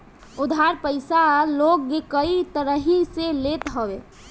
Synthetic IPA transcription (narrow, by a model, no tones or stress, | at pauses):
ud̪ʱaɾpəɪsalokːekəit̪əɾəɦiselet̪ɦəbe